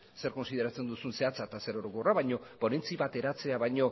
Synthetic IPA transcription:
se̞ɾko̞nsiðe̞ɾat͡se̞nd̪usunse̞at͡sat̪ase̞ɾoɾoko̞raβajɲo̞po̞ne̞nt͡siβat̪e̞ɾat͡se̞aβajɲo̞

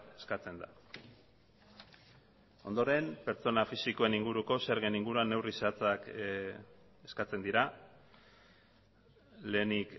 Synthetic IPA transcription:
eskat͡se̞nd̪a | o̞nd̪o̞ɾe̞mpe̞ɾt͡so̞nafisiko̞e̞niŋɡuɾuko̞seɾɣeniŋɡuɾuanːe̞wrisat͡sak | e̞skat͡se̞nd̪iɾa | le̞ːnik

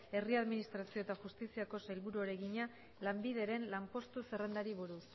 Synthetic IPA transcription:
e̞riaðminist̪ɾasio̞et̪axust̪isiako̞salβuɾuaɾe̞ɣiɲa | lambiðe̞ɾe̞nlampo̞st̪use̞re̞nd̪aɾiβuɾus

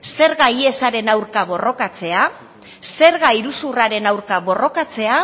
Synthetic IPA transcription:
se̞ɾɣaie̞saɾe̞nawɾkaβo̞ro̞kat͡se̞a | se̞ɾɣaiɾusuraɾe̞nawɾkaβo̞ro̞kat͡se̞a

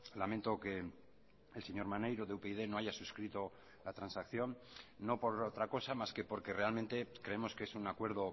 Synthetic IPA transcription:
lament̪o̞ke̞ | else̞ɲo̞ɾmane̞jɾoðeupeið̞e̞no̞aʝasuskɾit̪o̞ | lat̪ɾansakθjo̞nː | o̞po̞ɾot̪ɾako̞samaske̞po̞ɾke̞re̞alment̪e̞kɾe̞emo̞skeesunakwe̞ɾð̞o̞

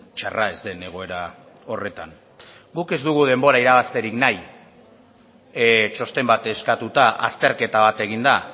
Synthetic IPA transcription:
t͡ʃa̰rae̞zd̪e̞ne̞ɣ̞o̞e̞ɾa | o̞re̞t̪an | ɡuke̞zd̪uɣ̞uðe̞mbo̞ɾaiɾaβ̞ast̪e̞ɾiknaj | t͡ʃo̞st̪e̞mbat̪eskat̪ut̪aʔa̰st̪e̞ɾke̞t̪aβ̞at̪e̞ɣ̞ind̪a

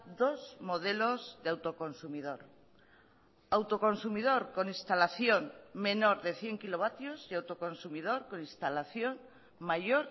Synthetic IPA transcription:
d̪o̞zmo̞ð̞elo̞zðeawt̪o̞ko̞nsumið̞oɾ | awt̪o̞ko̞nsumið̞o̞ɾko̞nist̪alaθjoŋme̞no̞ɾðe̞θje̞ŋkilo̞β̞at̪josiawt̪oko̞nsumið̞o̞ɾko̞nĩst̪alaθjo̞ŋ | maʝoɾ

